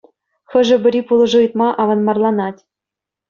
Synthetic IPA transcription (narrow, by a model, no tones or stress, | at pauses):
xɤ̆ʒɘ̆bɘ̆ɾʲipulˠɤ̆ʐɤɯt̪mɑʔɑvɑnmɑrlˠɑnɑtʲ